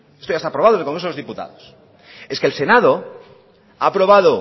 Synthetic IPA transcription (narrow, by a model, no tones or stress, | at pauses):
estoaest̪apɾoβaðonelkoŋɾesolozðiput̪a̰ðos | e̞skelse̞nað̞o̞ | aːpɾo̞β̞aðo